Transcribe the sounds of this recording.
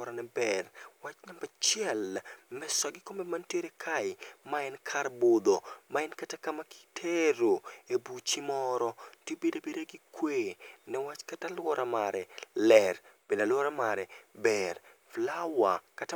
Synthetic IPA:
ɔɾanɛbɛrwat͡ʃɲambɛt͡ʃjɛlmɛswaɡɪkomɛmanteɾekʰaɪmaɛnkʰarbod̪omaɛnkatakamakɪtʰeɾoebut͡ʃimɔɾɔtebedobedeɡɪkweːnɛwat͡ʃkatalwɔɾʔamaɾɛlɛrb̥enalwɔɾamaɾɛbɛr | flawakata

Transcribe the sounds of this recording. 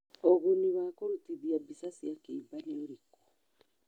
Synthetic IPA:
oɣuniβakoɾutiðiabisasiakeːmbaneoɾikɔ̥

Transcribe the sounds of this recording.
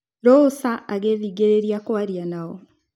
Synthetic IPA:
ɾosaʔaɣeðiːɡeɾeɾiakwaɾjanaɔ

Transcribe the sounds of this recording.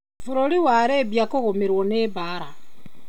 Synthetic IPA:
vuɾoliwaɾeβjakoɣomiɾwoneβaɾa

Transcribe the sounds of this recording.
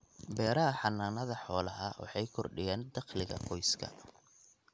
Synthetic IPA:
bɛːɾɐɦɐħɑnaːnɐðɐħɔːlɐɦɐwɑ̰ħɑjkʰɔrɖɪjɛːnd̪ɑqlɪɣɐ̰qʰɔjskʰɐ̰

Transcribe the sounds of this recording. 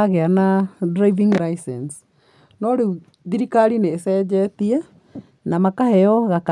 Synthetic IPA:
aɣeanadɾaiviŋɾaisɛns | noɾeu | ðiɾikaɾineːsɛd͡ʒɛtia | namakahɛɔɣaka

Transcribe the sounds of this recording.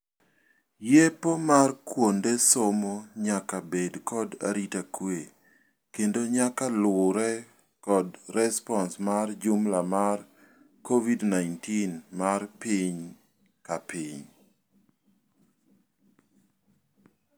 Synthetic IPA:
jepomarkwondesomoɲakabedkʰɔda̰ɾitakwe | kendoɲakalwʊɾɛ | kɔdɾɛspɔnsmard͡ʒumlamar | kʰovidnaɪntinmarpiɲ | kapʰiɲ

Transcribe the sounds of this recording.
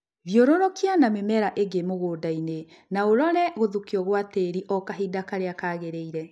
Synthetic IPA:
βjoɾoɾɔkianamemɛɾaʔeɡemoɣoːdaine | naoɾɔɾɛɣoðukiɔɣwateɾiʔɔkaɦidakaɾeakaːɣeɾeiɾɛ

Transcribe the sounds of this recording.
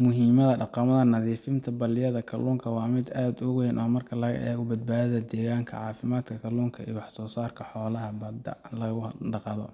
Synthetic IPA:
mʊɦiːmɐðɐɖɑqɑmɐðɐnɐðiːfɪnt̪ʰɐbɐlɪjɐðɐkʰɐ̰lʊŋkʰɐwɑːmɪd̪aːd̪ʊɣʊhɛnʔɔːmɐrkʰɐlɐɣɐ̰ʔɛ̰ːɣʊbɐd̪̚baːðɐðɐd̪ɛːɣaːŋkʰɐ̰ʕɑːfɪmaːd̪kʰɐkʰɐlʊːŋkʰɐḭjwɑħsɔːsaːrkʰɐħɔːlɐɦɐbɐd̪ɐ̰lɐɣʊɖɑqɑðɔ̰

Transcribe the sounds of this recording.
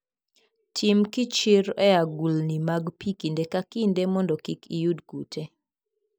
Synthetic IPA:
tʰɪmkɪt͡ʃɪɾɛjaɡulnimaɡpikindekakindemɔndɔkikʰijudɡute

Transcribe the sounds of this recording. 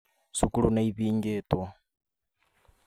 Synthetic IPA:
sukulunaiβiːŋɡetwa

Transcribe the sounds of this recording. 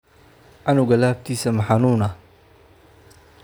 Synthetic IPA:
ʔɑnʊɣɐlaːb̚t̪ʰiːsɐmɐħɑnuːnɐ

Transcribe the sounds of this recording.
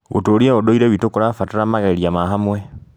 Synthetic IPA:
o̰toɾieodoiɾewitokoɾafataɾamaɣeiɾjamaɦamwe

